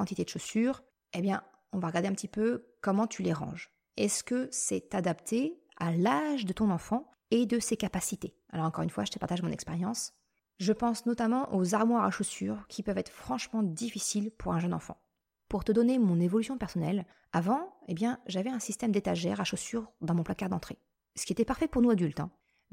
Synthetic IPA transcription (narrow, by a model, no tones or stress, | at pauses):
ɑ̃t̪it̪ed̪əʃosyʁ | ebjɛ̃ | ɔ̃vaʁəɡaʁd̪eɛ̃pət̪ipøkɔmɑ̃t̪ʰyleʁɑ̰̃ʒ | ɛskəsɛt̪ad̪apt̪ʰe | alaʒd̪ət̪ɔ̃nɑ̃fɑ̃ | ed̪əsekapasit̪e | alɔʁɑ̃kɔʁynfwaʒət̪ə̥paʁt̪aʒmɔ̃nɛkspeʁjɑ̃s | ʒəpɑ̃snɔt̪amɑ̃ʔozaʁmwaʁaʃosyʁkʲʰipœvɛt̪χfχɑ̃ʃmɑ̃d̪ifisilpʰuʁɛ̃ʒœnɑ̰̃fɑ̰̃ | puʁt̪əd̪ɔnemɔ̃nevɔlysjɔ̃pɛʁsɔnɛl | avɑ̃ebjɛ̃ʒavɛɛ̃sist̪ɛmd̪et̪aʒɛʁaʃosyʁd̪ɑ̃mɔ̃plakaʁd̪ɑ̃t̪χe | sə̥kʲiet̪ɛpaʁfɛpuʁnuad̪ylt̪ɛ̰̃